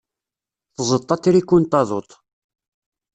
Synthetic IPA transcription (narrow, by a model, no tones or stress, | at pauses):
θzˤət̪ˤːɑt̪ːiɾikːunt̪ˤɑðˤot̪ˤ